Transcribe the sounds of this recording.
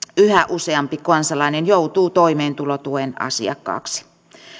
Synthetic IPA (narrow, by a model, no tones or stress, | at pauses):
yhæʔuseɑmpikɑnsɑlɑinenjout̪uːt̪oimeːnt̪ulot̪uenɑ̰sḭɑ̰kːɑ̰ːksi̥